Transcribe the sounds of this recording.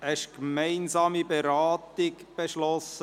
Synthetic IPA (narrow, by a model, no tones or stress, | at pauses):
ɛʃkmɛɪnzɑːmibeɾaːt̪ɪɡb̥eʃlɔsə